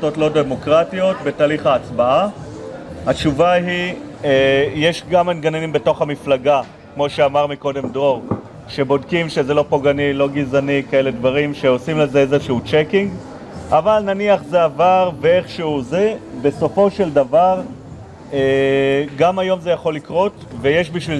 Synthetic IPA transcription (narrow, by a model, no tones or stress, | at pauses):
totlo̞demo̞kʁatio̞tbe̞taːliχaːt͡sbaa | hatt͡ʃuvaɦi | jeʃɡamamɡanenimbe̞to̞χamiflaɡa | kmo̞ʃe̞amaʁmiko̞de̞mdʁo̞ʁ | ʃe̞bo̞dkimʃe̞ze̞lo̞po̞ɡanilo̞ɡizanikae̞le̞dvaʁimʃe̞o̞simlezezeʃeut͡ʃekiŋɡ | avalnaniaχzeavaʁvee̞χʃeuzebe̞so̞fo̞ʃe̞ldavaʁ | eɡamajo̞mzejaχo̞lːikʁo̞tvejeʃbiʃvil